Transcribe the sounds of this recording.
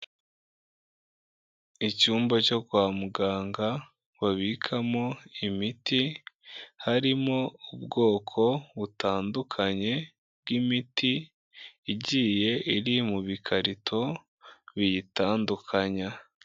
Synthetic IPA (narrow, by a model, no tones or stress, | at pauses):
icuːmbaco̞kwaːmuɡaːŋɡa | βaβikʰamo̞imiti | haɾimo̞ub̚ɡo̞ːkʰo̞βutaːndukʰaɲe̞ | b̚ɡimitiː | ɟiːje̞ʔiɾimuβikʰaɾitʰo̞ | βijitaːndukʰaɲa